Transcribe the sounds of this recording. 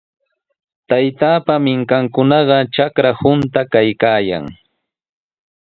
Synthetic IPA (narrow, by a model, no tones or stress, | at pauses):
t̪ajt̪aːpamɪŋkaŋkʊnɑɢɑt͡ʃakɾahʊnt̪akajkaːja̰ŋ